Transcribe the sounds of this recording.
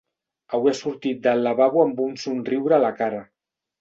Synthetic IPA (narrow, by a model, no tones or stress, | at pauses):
awiasuɾt̪it̪̚d̪əlːaβaβuəmbunsunriwɾəalakara